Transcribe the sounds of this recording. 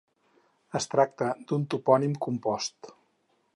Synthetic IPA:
əst̪ɾak̚t̪əd̪unt̪upɔnimkumpɔst̪

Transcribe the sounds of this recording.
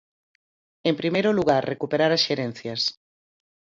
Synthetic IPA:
empɾimejɾʊluɣaɾrrekupeɾaɾasʃeɾɛnθjɐs

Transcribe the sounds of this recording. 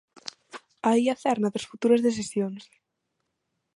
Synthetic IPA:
aiaθɛɾnɐðɾɐsfut̪uɾɐzðes̬esjoŋs

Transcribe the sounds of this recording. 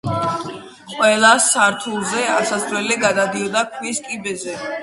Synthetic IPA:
qʼwɛlˠasːaɾt̪ʰulˠzɛasasɾwɛliɡad̪ad̪iɔd̪akʰwiskʼibɛzɛ

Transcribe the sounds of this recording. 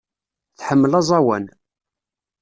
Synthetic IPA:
θħəmːəlɑzˤɑwæn

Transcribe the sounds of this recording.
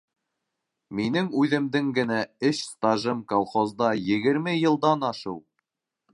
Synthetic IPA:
minɘŋʉðɘ̆md̪ɘŋɡɘ̆næɘɕst̪ɑʒɤmkolˠχozd̪ɑjɘ̆ɡɘ̆ɾmɘjɤ̆lˠd̪ɑnɑʃɤw

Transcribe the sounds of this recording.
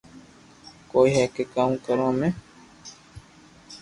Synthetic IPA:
koːiːɦɛːkeːkaːũːkəɾõːmẽː

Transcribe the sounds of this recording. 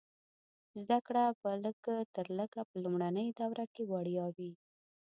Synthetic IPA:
zd̪akɽapələɡət̪əɾləɡapəlumɽanəjd̪awɾakewaɽjɑwi

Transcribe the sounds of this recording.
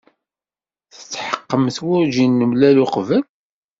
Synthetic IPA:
θə̥t͡sːħə̥qːəmθwʊɾʒinːəmlælʊqvæl

